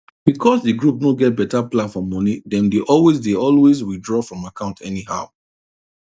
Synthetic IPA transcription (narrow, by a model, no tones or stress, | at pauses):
b̥ikɔsdɨɡɹup̚noɡɛt̚bɛtaplãnfɔmɔnidɛ̃ndeʔɔlwezdeɔlwezwidɹɔfɹɔ̃makʰãʊ̃ntʰɛniɦa̰ʊ